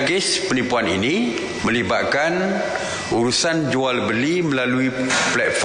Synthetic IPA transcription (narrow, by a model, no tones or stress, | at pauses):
ɡɪspənipuanḭnĩ | mə̃libaʔ̪kan | uɾusand͡ʒualbəliməlaluiplɛt̪̚f